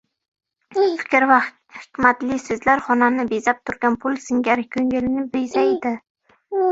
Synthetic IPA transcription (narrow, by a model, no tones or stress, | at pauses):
fɪ̥kʲɾva | hɪkʲmat̪lɪsɵzlaɾχɒnanɪbezap̚t̪ʰʊɾɡʲanpʰʊlˠsɪŋɡʲaɾkʰɵŋɡʲelɪnɪbezajd̪ɪ